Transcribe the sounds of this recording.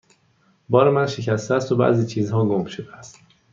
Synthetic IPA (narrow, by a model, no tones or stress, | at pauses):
bɒːɾemænʃe̞cʰæst̪eæst̪obæ̰ʔziːt͡ʃʰiːzhɒːɡomʃod̪eæst̪